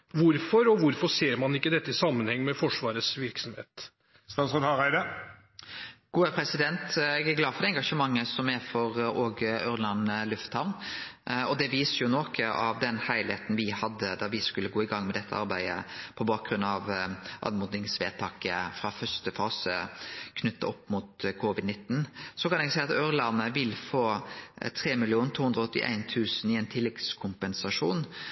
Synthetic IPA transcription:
ʋʊɾfɔɾɔʋʊɾfɔseːɾmɑnɪkːəd̪ɛt̪ːəɪsɑmːənhɛŋːmɛfɔʂʋɑːɾəsʋɪɾksɔm̩hḛːt̪ | st̪ɑːnsʁɔd̪ɑʁæɪd̪ə | ɡ̥uːəpʰɾɛsɪd̪ɛnt̪ɛɡæɾɡlɑːd̪fɔɾd̪ɛŋɡɑʂəmɑŋːəsɔmæɾfɔɾɔːɡʉɾlɑnlʉft̪hɑʊn | ɔd̪ɛʋiːsəjʊnoːkʰəɑʋd̪ɛnhæɪlɪheːt̪n̩ʋɪhɑd̪ːəd̪ɑʋɪskʉlːəɡoːɪɡɑŋːmɛd̪ɛt̪ʰːəʔɑ̰ɾbæɪə̰pʰɔbɑːk̚ɡɾʉnɑʋʔɑ̰nmuːd̪nɪŋsʋḛːt̪ʰɑːkəfɾɑfœɾst̪əfɑːsəkʰnʉt̪ːə̰ɔpːmut̪kʰʊʋɪd̪nɪt̪ːnsɔkɑnɛɡsæɪɑt̪øɾlɑnəʋɪlːfoːt̪ʰɾeːmɪlɪuːn̩t̪ʰuːhʉnd̪ɾɔɔt̪ːɪ̰ʔæ̰ɪnt̪ʰʉːsənɪɛnt̪ʰɪlːɛɡ̪skʰʊmpɛnsɑʂuːn

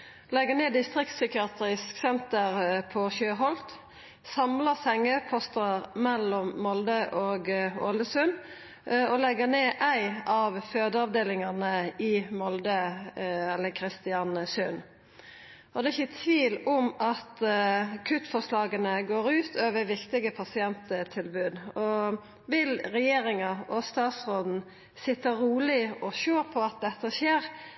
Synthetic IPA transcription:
lɛɡəneːd̪ɪst̪ɾɪkt̪sʏkɪɑːt̪ɾɪsksɛnt̪əʁpʰɔçøːɦɔlt̪ | sɑmləsɛŋəpʰɔst̪əəʁmɛlɔmːɔld̪əʔoːɡoləsʉn | ɔlɛɡəneːʔæɪɑʋføːd̪əɑʋd̪eːlɪŋɑʁnəɪmɔld̪ə | ɛlːəkʰɾɪst̪ɪɑnsʉn | ʔɔd̪ɛɪçːət̪ʰʋiːlʊmɑt̪kʰʉt̪ːfɔʁʂlɑːɡənəɡoːɾʉːt̪ʰøːʋəɾʋɪkt̪ɪɡəpʰɑsɪɛnt̪ət̪ʰɪlbʉːd̪ɔ | ʋɪlɾɛjeːɾɪŋɑʔɔst̪ɑːt̪sɾoːd̪n̩ | sɪt̪ːəɾuːlɪɔɕøːɾpʰɔɑt̪̚d̪ɛt̪ːəçeːɾ

